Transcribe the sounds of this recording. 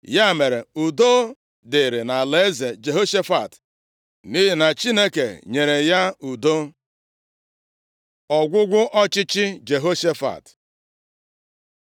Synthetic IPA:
ja˦˨me˨ɾe˨u˨do˦ | dɪ˨ɾɪ˨na˨le˦ze˨d͡ʒe˨ɦo˦ʃe˦fa˨t | ni˦ɦi˨na˨t͡ʃi˦ne˦ke˨ɲe˨ɾe˨ja˦u˨do˦ | ɔ˨ɡʷʊ˦ɡʷʊ˦ʔɔ˦t͡ʃɪ˦t͡ʃɪ˦d͡ʒe˨ɦo˦ʃe˦fa̰˨t

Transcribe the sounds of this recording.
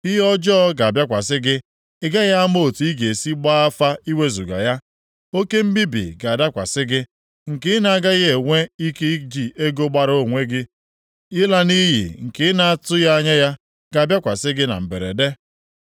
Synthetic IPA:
i˦ɦɔ˦d͡ʒɔ˦ɡa˨bja˦kʷa˨sɪ˦ɡɪ˦ | ɪ˦ɡa˦ɣa˦mo˦˨tu˨i˦ɡe˨si˦ɡ͡ba˦a˦fa˦i˦we˦zu˨ɡa̰˨ja˦ | o˦ke˦m̩˦bi˦bḭ˨ɡa˨a˨da˦kʷa̰˨sɪ˦ɡɪ˦ | ŋ̩˨kɪ˦na˨a˦ɡa˦ɣe˨ŋʷe˦i˦ke˦d͡ʒi˨ʔe˦ɡo˦ɡ͡ba˦ɾo˦˨ŋʷe˦ɡɪ˦ | ɪ˦la˦ni˦jḭ˨ŋ̩˨kɪ˦na˦a˦tʊ˦ja˦ɲe˦ja˦ | ɡ̥a˨a˨bja˦kʷa˨sɪ˦ɡɪ˦na̰˨m̩˨be˨ɾḛ˨de˦

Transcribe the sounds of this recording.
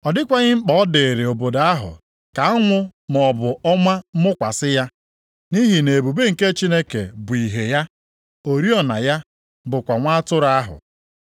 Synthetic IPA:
ɔ˨dɪ˦kʷa˦ɲɪ˦ŋ͡m̩˦k͡pɔ˦ɔ˦de˨ɾe˨o˨bo˨da˦ɦʊ̰˨ | ka˨ɔ˦ŋʷʊ˦mɔ˨bʊ˨ɔ˦mʷa˦m̩˦mʊ˦kʷa˨sɪ˦ja˦ | ni˦ɦi˨ne˨e˨bu˨be˦ŋ̩˨ke˦t͡ʃi˦ne˦kḛ˨bʊ˨i˨ɦe˨ja˦ | o˨ɾi˦ɔ˨na̰˨ja˦ | bʊ˨kʷa˨ŋʷa˦tʊ˦ɾa˦ɦʊ̰˨

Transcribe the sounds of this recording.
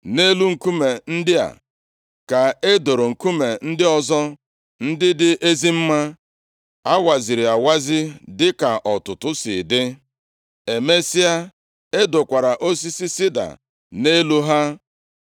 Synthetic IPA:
ne˦lu˦ŋ̩˨ku˦me˨n̩˦dɪ˦a̰˨ | ka˨e˦do˨ɾo˨ŋ̩˨ku˦me˨n̩˦dɪ˦ɔ˦zɔ˦ | n̩˦dɪ˦dɪ˦ʔe˦zi˦m̩˦ma˦ | a˦wa˨zi˨ɾɪ˨a˨wa˦zɪ˦dɪ˦ka˨ʔɔ˨tʊ˨tʊ˦sɪ̰˨dɪ˦ | e˨me˦si˦a˦ | e˦dʊ˨kʷa˨ɾa˨ʔo˦s̬i˦si˦si˦da̰˨ | ne˦lu˦ɦa˦

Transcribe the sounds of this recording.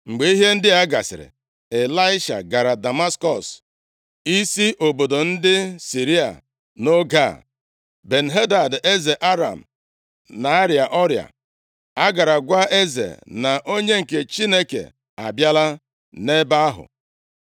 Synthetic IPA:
ŋ͡m̩˨ɡ͡be˨i˦ɦe˦n̩˦dɪ˦a˦ɡa̰˨sɪ̰˨ɾɪ̰˨ | e˨la˦ɪ˦ʃa̰˨ɡa˨ɾa˨da˨ma˦skɔ˨s | i˦si˦ʔo˨bo˨do˨n̩˦dɪ˦si˨ɾi˦a̰˨ | no˦ɡa̰˦˨ | be˨n̩˨ɦe˦da˨de˦ze˨ʔa˦ɾa̰˨m̩˨ | na˨a˦ɾja˨ʔɔ˦ɾja̰˨ | a˦ɡa˨ɾa˨ɡʷa˦ʔe˦zḛ˨na˨ʔo˦ɲe˦ŋ̩˨ke˨t͡ʃi˦ne˦kḛ˨ | a̰˨bja˦la˦ | ne˦ba˦a˦ɦʊ̰˨

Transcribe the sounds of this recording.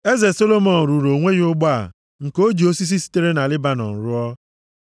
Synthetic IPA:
e˦ze˨so˦lo˦mɔ˨n̩˨ɾu˨ɾo˨ŋʷe˦ɣi˦ʊ˦ɡ͡ba̰˨ | ŋ̩˨ko˦d͡ʒi˨o˦si˦s̬i˦si̥˦te˦ɾe˦na˨lɪ˦ba˦nɔ̰˨n̩˨ɾʊ˦ɔ˦

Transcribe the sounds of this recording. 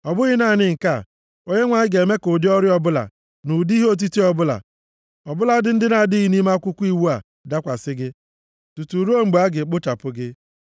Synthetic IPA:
ɔ˨bʊ˦ɣɪ˦na˦˨nɪ˦ŋ̩˨ka˦˨ | o˦ɲe˦ŋʷa˨ɲɪ˦ɡe˨me˦kʊ˨dɪ˦ɔ˦ɾɪ˦ɔ˦bʊ˦la̰˨ | nu˨di˦ɦo˦˨t̬i˦ti˦ɔ˨bʊ˦la̰˨ | ɔ˨bʊ˦la˦dɪ˦n̩˦dɪ˦na˨di˦ɣi˦ni˦ma˦kʷʊ˦kʷu˦i˦wu˦a˨ | da˦kʷa˨sɪ˦ɡɪ˦ | tu˨tu˨ɾo˦ŋ͡m̩˨ɡ͡ba˦ɡɪ˨k͡pʊ˦ta˨pʊ˦ɡɪ˦

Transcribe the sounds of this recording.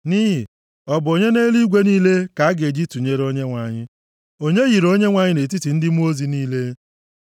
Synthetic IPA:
ni˦ɦɪ˨ | ɔ˨bʊ˨o˨ɲe˦ne˦li˦ɡʷe˦niː˦le˦ka˨a˦ɡe˨d͡ʒi˦tu˨ɲe˦ɾo˦ɲe˦ŋʷa˨ɲɪ˦ | o˦ɲe˦ɣi˨ɾo˦ɲe˦ŋʷa˨ɲɪ˦ne˨t̬i˦ti˨n̩˦dɪ˦mu˦o˦zi˨niː˦le˦

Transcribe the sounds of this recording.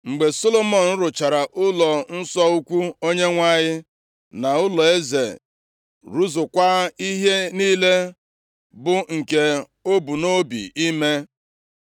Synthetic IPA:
ŋ͡m̩˨ɡ͡be˨so˦lo˦mɔ˨n̩˦ɾʊ˨t͡ʃa˨ɾa˨ʔʊ˦lɔ˨n̩˦sɔ˦u˦kʷu˦o˦ɲe˦ŋʷa˦˨ɲɪ˦ | na˨ʊ˦lɔ˨e˦zḛ˨ | ɾu˦zʊ˨kʷa˦i˦ɦe˦ni˦le˦ | bʊ˨ŋ̩˨ke˨ | o˦bu˨no˦bḭ˨i˦me˦

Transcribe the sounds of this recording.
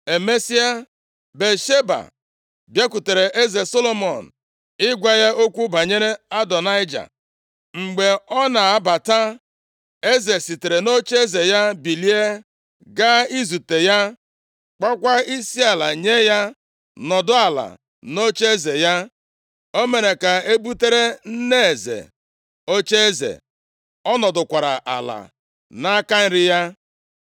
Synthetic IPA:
e˨me˦si˦a˦ | be˨ʃe˦ba̰˨ | bje˦kʷu˨te˨ɾe˨ʔe˦ze˨so˦lo˦mɔ̰˨n̩˨ | ɪ˦ɡʷa˦ja˦ʔo˦kʷu˦ba˨ɲe˦ɾe˦a˦dɔ˨na˦ɪ˦d͡ʒa̰˨ | ŋ͡m̩˨ɡ͡be˨ɔ˦na˨a˦ba˨ta˦ | e˦ze˨si˨te˨ɾe˨no˦t͡ʃe˦ze˨ja˦bi˨li˦e˦ | ɡa˦i˦zu˨te˨ja˦ | k͡pa˦kʷa˦i˦si˦a˨la̰˨ɲe˦ja˦ | nɔ˨dʊ˦a˨la̰˨ | no˦t͡ʃe˦e˦ze˨ja˦ | o˦me˨ɾe˨ka˨e˦bu˦te˦ɾe˦n̩˦ne˦e˨zḛ˨ | o˦t͡ʃe˦e˦zḛ˨ | ɔ˦nɔ˨dʊ˨kʷa˨ɾa̰˨ʔa̰˨la̰˨ | na˦ka˦n̩˦ɾɪ˦ja˦

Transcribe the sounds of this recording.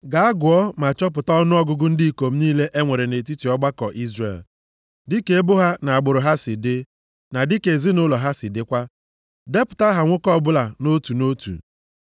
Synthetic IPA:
ɡa˨a˦ɡʊ˨ɔ˦ma˨t͡ʃɔ˦p̬ʊ˨tɔ˦nʊ˦ɔ˦ɡʊ˦ɡʊ˦n̩˦di˦˨ko˨m̩˦niː˦le˦ʔe˦ŋʷe˨ɾe˨ne˨t̬i˦ti˨ɔ˦ɡ͡ba˦kɔ˨ʔi˦zrḛ˨l | dɪ˦ke˨˦e˦bʊ˦ɦa˦na˨a˨ɡ͡bʊ˨ɾʊ˨ɦa˦sɪ˨dɪ˦ | na˨dɪ˦ke˨zi˦nʊ˦lɔ˨ɦa˦sɪ˨dɪ˦kʷa˦ | de˦pʊ̥˨ta˦ɦa˨ŋʷʊ˦kɔ˦˨bʊ˦la˨no˦tu˨no˦tṵ˨

